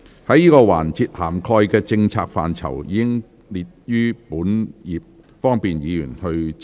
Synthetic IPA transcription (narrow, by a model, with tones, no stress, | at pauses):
hɐ˨˥jiː˥kɔː˧wa̰ː˨˩nt͡siː˧t̚haː˨˩mkʰɔː˧jkɛː˧t͡sɪ˧ŋt͡sʰaː˧k̚fa̰ː˨nt͡sʰɐ̰˨˩wjḭː˨˧kɪ˥ŋ | liː˨t̚jyː˥puː˨˥njiː˨p̚ | fɔː˥ŋpiː˨njiː˨˧jyː˨˩nhɵ˧ɥ